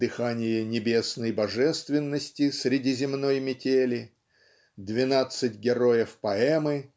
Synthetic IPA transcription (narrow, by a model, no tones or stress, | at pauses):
d̪ɨxanʲɪjənʲɪbʲe̞snəjbɐʐɛst̪vʲɪnːəsʲtʲɪsɾʲɪdʲizʲɪmno̞jmʲɪtʲelʲɪ | d̪vʲɪnat̪sɨtʲɡʲɪɾo̞jəfpɐɛmɨ